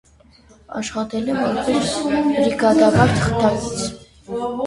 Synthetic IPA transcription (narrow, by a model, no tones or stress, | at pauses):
ɑ̰ʃχɑt̪ɛlɛmɑɾpɛsɾiɡɑd̪ɑvɑɾt̪ʰə̥χt̪ɑkit͡sʰ